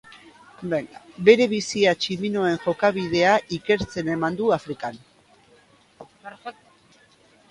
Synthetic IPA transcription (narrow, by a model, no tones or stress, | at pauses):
eŋbe̞ɾe̞β̞isiat͡ʃimino̞e̞ŋʝo̞kaβið̞e̞aʔike̞ɾt͡se̞ne̞mand̪uafɾikan